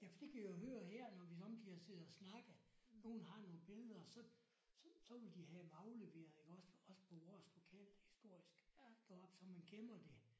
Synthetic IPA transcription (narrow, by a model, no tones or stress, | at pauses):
jæfɒd̥e̝kʰæʋijoɦøːɐheɐ̰nɒʋisɒɒ̽md̥ihɑ̈se̝ð̩ˠɒsnɑ̈ɡ̥əðno̝ːn̩ɦɑ̈no̝ːn̩b̥e̝ləðˠɐsɒ̽ | ssɒ̽ʋe̝ld̥ihæʋɑ̈ʊle̝ʋe̝̰ːɐð̩ˠeɡ̥ɒ̽sɒ̽sə̥pʰɒ̽ʋɒslo̝kʰɛl̰hisd̥o̝ɐ̰isɡ̥d̥ɒb̥sɒ̽mænɡ̥emɐd̥e̝